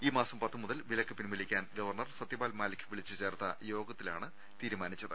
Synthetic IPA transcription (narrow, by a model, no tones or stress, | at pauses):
iːmaːsɐmpɐt̪ːɨmuðɐlʋilɐkːɨpinmilikʲːaːnɡɐʋɐrɳɐrsɐt̪ːjibaːlmaːlikʲʰːɨʋiɭit͡ɕːɨt͡ɕe̞ːrt̪ɐjo̞ːɡɐt̪ːilaːɳɨ | t̪iːɾumaːnit͡ɕːɐðɨ